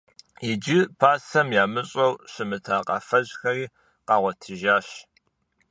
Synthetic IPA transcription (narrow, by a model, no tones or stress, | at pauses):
ɪd͡ʒɪpʰaːsɐmjaːmɨɕʼɐwɕɪmɨtʰaːqɑ̰fɐʑxɐriː | qɑːʁʷɔtʰɨʒaːɕ